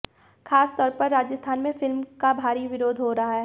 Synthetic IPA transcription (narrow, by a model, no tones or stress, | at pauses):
xʰaːst̪ɔːɾpɐɾːaːd͡ʒəst̪ʰaːnmẽfɪlmkabʱaːɾiʋɪɾoːd̪ɦoɾɐɦaɦɛ